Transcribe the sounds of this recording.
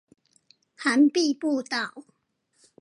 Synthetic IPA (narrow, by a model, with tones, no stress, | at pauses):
ha˨˦npi˥˧˨pu˥˧t̪a˨w